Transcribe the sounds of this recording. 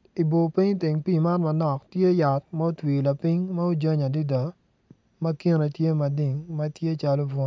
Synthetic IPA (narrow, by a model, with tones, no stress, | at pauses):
i˨bo˨pi˦ɲ˦ti˨ŋpi˦ma˦nmɐ˨nɔ˨ktje˦ja˨t̚ma˦o˦twi˨la˨pi˦ɲma˦o˦d͡ʒa˦ɲa˨di˦dɔ˨ | mɐ˦ki˦ɾe˨tje˦mɐ˨dɪ˨ŋmɐ˦tje˦t͡ʃa˦lo˦bɔ˦n˨